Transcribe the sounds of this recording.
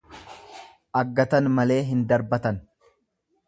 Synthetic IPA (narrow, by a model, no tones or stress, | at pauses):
ʔɐɡːɐt̪ɐnmɐle̞ːɦɪnd̪ɐɾbɐt̪ɐn